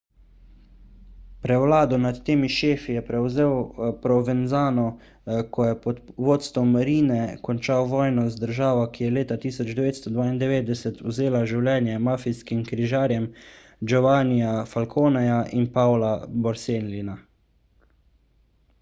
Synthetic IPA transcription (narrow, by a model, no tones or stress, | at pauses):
pɾɛwlaːd̪ɔnat̪ːeːmiʃeːfijɛpɾɛwzeːwpɾɔvɛnzaːnɔ | kʰɔjɛpɔt̪ʋoːt̪st̪ʋɔmɾiːnɛkɔnt͡ʃawʋɔːjnɔzd̪əɾʒaːʋɔkijɛleːt̪at̪iːsɔd͡ʒd̪ɛʋeːt̪st̪ɔd̪ʋaːind̪ɛʋeːd̪̚d̪ɛsɛt̪wzeːlaʒiwlʲɛːnjɛmaːfiskimkɾiʒaːɾjɛm | d͡ʒɔʋaːnijafalkʰoːnɛjaʔinpalabɔɾseːnlina